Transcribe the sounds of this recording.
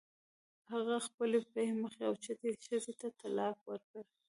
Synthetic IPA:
haɣaxpəlepehməxeawt͡ʃat̪eʃəzet̪at̪alɑfwəɾkəɾ

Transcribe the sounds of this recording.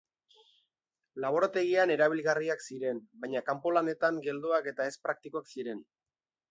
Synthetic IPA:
laβ̞o̞ɾat̪e̞ɣiane̞ɾaβ̞ilɣariaksiɾe̞nbajɲakampo̞lane̞t̪aŋɡe̞ld̪uake̞t̪ae̞spɾak̚t̪ikoaksiɾe̞n

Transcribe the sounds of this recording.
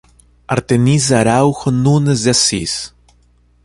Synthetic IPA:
a̰ɾt̪enizaɾawxonunezd̪asḭs

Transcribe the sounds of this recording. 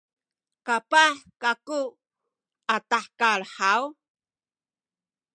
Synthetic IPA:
kapaħkaku | ataħkaɭħaw

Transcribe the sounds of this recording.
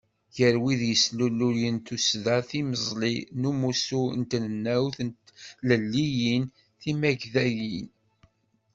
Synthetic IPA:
jəɾwiðjəslulːuɾjənt̪usðæθiməzˤlinumusunt̪nənːæwθnləlːijin | θimæʝðæjin

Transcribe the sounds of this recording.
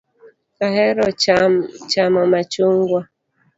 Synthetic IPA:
kaɦɛɾɔ | t͡ʃamɔmat͡ʃuŋɡwa

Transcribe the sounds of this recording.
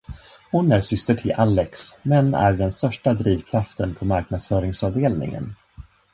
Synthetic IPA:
hʊnæɾsʏst̪əʈʰɪlʔalːɛksmɛnːæ̰ɾɖɛnst̪œʂʈad̪ɾiːvkʰɾaft̪ənpʰɔmaɾk̚nad̪sfœːɾɪŋsɑvd̪eːlnɪ̰ŋə̰n

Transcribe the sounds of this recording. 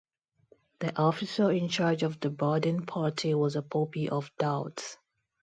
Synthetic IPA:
ð̥iʔɔfɪsəɪ̃nt͡ʃaːd͡ʒɔvdəbadə̃npʰatʰiwɔzəpʰopiʔɔvd̥aʊts

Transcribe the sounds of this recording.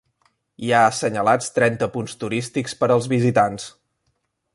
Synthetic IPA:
iaəsəɲəlat͡st̪ɾɛnt̪əpunst̪uɾist̪ikspəɾəlˠzβizit̪ans

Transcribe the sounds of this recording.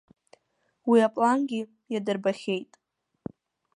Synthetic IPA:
wiapʼlanɡʲɪ | jadɨrbaχʲejtʼ

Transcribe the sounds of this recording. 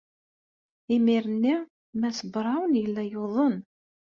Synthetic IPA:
imiɾənːi | mæsəbɾˤɑwənjəlːæjoðˤən

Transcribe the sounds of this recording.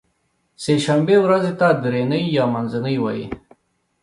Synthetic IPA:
seʃambewɾazit̪ad̪ɾenəjːɑmanzɪnəjwajḭ

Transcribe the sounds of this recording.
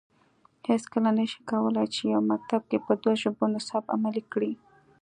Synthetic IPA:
heskəlanəʃi̥kawəlajt͡ʃejawmak̚t̪ab̚kepəd̪waʒəbonɪsɑba̰malikɽi

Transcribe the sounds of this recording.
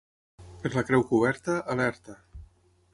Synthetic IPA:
pezlakɾɛwkuβ̞ɛɾt̪əʔalɛɾt̪ə

